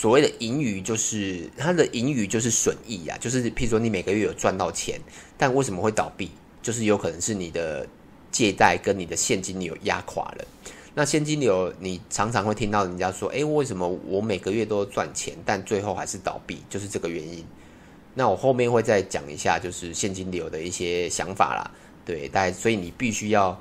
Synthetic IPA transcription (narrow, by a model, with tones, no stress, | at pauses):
swɔ˨˩we˥˩ɪd̪ə˨ʔi˧˥ny˨˩t͡ɕjo˥˧ʊʂɻ̩˥˩t̪ʰa˥d̪ə˨ʔi˧˥ŋy˨˩t͡ɕjo˥˧ʂ̬ɻ̩˥˩ʂwə˨˩ni˥˩a̰˨˩t͡ɕjo˥˧ʊʂ̬ɻ̩˥˩pʰi˨˥˩u˨˩ʂwɔ˥ni˧˥me˨˩ɪɡə˦ɥɛ˥˩jo˨˩ʊt͡swa˥˧nt̪ɑ˥˩ʊt͡ɕʰjɛ̰˧˦nt̪a˥˧nwe˥˩ɪʂ̬ə˨mə˦xwe˥˩ɪt̪ɑ̰˨˩ʊpi˥˩ | t͡ɕjo˥˧ʊʂɻ̩˥˩jo˧˥ʊkʰɤ˨˩nə˧˦ŋʂɻ̩˥˩ni˨˩d̪ə˦ | t͡ɕjɛ˥˧t̪a˥˩ɪkə˦nni˨˩d̪ə˩ɕjɛ˥˨nt͡ɕi˦˥nljo̰˨˩ʊja̰˥kʰwa̰˨˩lə̰˦ | na˥˧ɕjɛ˥˩nt͡ɕi˦nljo˨˧˦ʊni˨˩ʈ͡ʂʰɑ˧˥ŋt͡sʰɑ˧˦ŋxwe˥˩ɪt̪ʰi˦ŋt̪ɑ˥˩ʊn˨˩t͡ɕja˦˥ʂwɔ̰˦ʔe˥˦ɪwe˥˩ʂə˧˥nmə˨wʔɔ˨˩me˨˩ɪɡə˦ɥɛ˥˨t̪o˥ʊt͡swa̰˥˨nt͡ɕʰjɛ̰˧˦nt̪a˥˧nt͡swe˥˧ɪxo˥˩ʊxa˧˥ɪʂɻ̩˥˩t̪ɑ̰˨˩ʊpḭ˥˩t͡ɕjo˥˧ʊʂ̬ɻ̩˥˧ʈ͡ʂɤ˥˩ɡə˩ɥɛ˧˦ni˦n | na˥˩wɔ˨˩xo˥˧ʊmjɛ˥˧nxwe˥˧ɪt͡sa˥˧ɪt͡ɕjɑ̰˨˩ŋḭ˧˥ɕja̰˥˧t͡ɕjo˥˧ʊʂɻ̩˥˩ɕjɛ˥˨˩nt͡ɕi˦˥nljo˧˥ʊd̪ə˨i˥˩ɕjɛ˦ɕjɑ̰˧˦ŋfa̰˨˩lɐ̰˩ | t̪we˥˩ɪt̪a˥˩swɔ˧˥i˨ni˨˩pi˥˩ɕy˥jɑ˥˩ʊ